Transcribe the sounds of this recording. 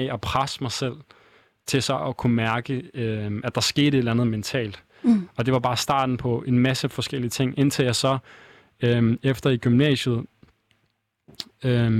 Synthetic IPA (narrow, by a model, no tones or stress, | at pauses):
ɒpʰʁasə̥mɑ̈ɪsel̰ | t͡sʰe̝lsɒ̽ʔɒkʰumæɐɡ̥əøæd̥ɑ̈sɡ̥e̝ːɾ̥əe̝dlænð̞̩ˠment͡sʰɛ̰ːld̥ | ɒ̽d̥e̝ʋɑ̈b̥ɑ̈ːsd̥ɑ̰̈ːd̥n̩pʰɒ̽e̝nmæsəfɒ̽sɡ̥el̰iət͡sʰe̝ŋ̰e̝nt͡sʰeljɑɪsɒ̽ | øefd̥ɐiɡ̥ymnɛ̰ːɕəð̞̩ˠ | ø